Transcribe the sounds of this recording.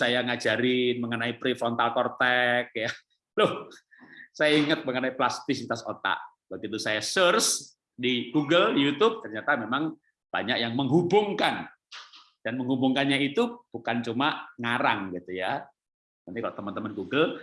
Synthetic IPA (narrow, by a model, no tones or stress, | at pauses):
sajaŋad͡ʒaɾɪnməŋənaipɾifɔnt̪alkɔrt̪ɛk̚ja | lʊh | sajaiŋət̪̚məŋənaiplast̪ɪsit̪aso̰t̪a̰ʔ | baɡit̪usajasərs | diɡuɡəljut̪ʊb̥̚t̪ərɲat̪amemaŋ | b̥a̰ɲakjaŋməŋɦubʊŋkan | d̥anməŋɦubuŋkanɲait̪ub̥ukant͡ʃumaŋaɾaŋɡit̪uja | nant̪ikalot̪əmant̪əmənɡuɡəl